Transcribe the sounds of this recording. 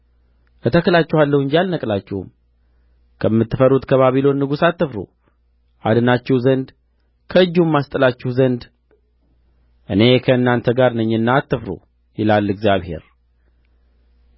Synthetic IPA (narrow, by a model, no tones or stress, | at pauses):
ʔət̪ʰəkɨlat͡ʃːɛhalːəwɨnd͡ʒalnəkʼlat͡ʃːɛwṵm | kʰəmːɨt̪ːɨfəɾut̪kʰəβaβilo̞nːɨɡusat̪ːəfɾo̰ | ʔa̰d̪ɨnat͡ʃːɛhzənd̪ | kʰəɨd͡ʒːumːast̪ʼəlat͡ʃːɛhzənd̪ | ʔɨne̞kʰəɨnːant̪ʰəɡaɾnəɲːɨnːaːt̪ːəfɾo̰ | jɪlalːɨɡzjaβhe̞̰ɾ